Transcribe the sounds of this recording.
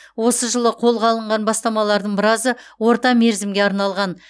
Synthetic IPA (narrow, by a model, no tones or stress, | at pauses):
wo̞səʒəlˠəqʰo̞lˠʁɑlˠəɴʁɑnbɑst̪ɑmɑlˠɑɾd̪əɴbɪɾɑzəwo̞ɾt̪ɑme̞ɾzɪmɡʲeɑɾnɑlˠʁɑn